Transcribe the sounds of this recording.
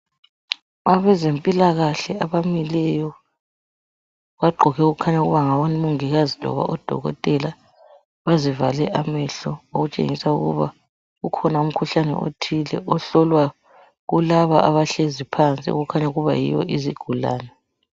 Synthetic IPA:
aβɛzempʼilaɣaɬɛaβamilɛjɔ | βaɡ͡ǃʱɔɣɛuɣukʰaɲauɣuβaŋawonimuŋiɣazilɔ̰βa̰ʔɔd̥ʱɔ̰ɣɔ̰tʼɛla | βazivalɛʔamɛɬɔoɣut͡ʃʼḛŋisauɣṵβa | ɣukʰɔnaum̩kʰuɬanɛ̰ʔo̰tʰilɛ̰ʔɔɬɔlwa | ɣulaβaʔaβaɬezipʰant͡sʼḭɣukʰaɲauɣuβa̰jḭjɔ̰ʔiziɡ̥ʱula̰ːnɛ

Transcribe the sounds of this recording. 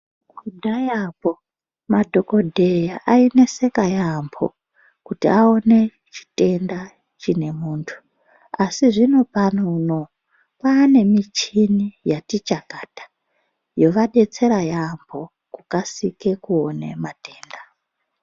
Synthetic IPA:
kudʱajapo | madʱo̞ko̞dʱe̞jaʔaine̞se̞kajambʰo̞̰ | kutḭao̞ne̞ | t͡ʃi̥te̞nda | t͡ʃine̞muːntʰu̥ | asiʐino̞panono̞ | paːne̞mit͡ʃinijatit͡ʃakatḁ | jo̞ʋaɗe̞t͡se̞ɾajambʰo̞ | kukasike̞kuone̞̰mateːnda

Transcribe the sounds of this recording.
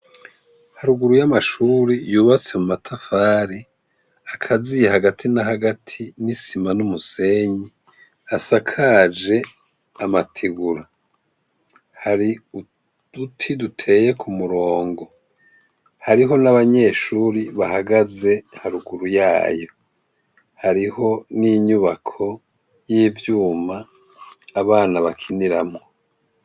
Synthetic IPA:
haɾuɡuɾujamaʃuːɾijuːβat͡se̞mumatʰafaːɾi | akʰazijehaɡatʰinaɦaɡatʰinisimanumuse̞ɲi | asakʰad͡ʒe̞ | amatʰiɡuɾa | haɾiu | d̥utʰidutʰe̞ːje̞kʰumuɾo̞ːŋɡo̞ | haɾiɦo̞naβaɲe̞ːʃuːɾiβahaɡaze̞haɾuɡuɾujaːjo | haɾiho̞niɲuβakʰo̞ | jiːvjuːmaː | βaːnaβakʰiniɾamŋo̞

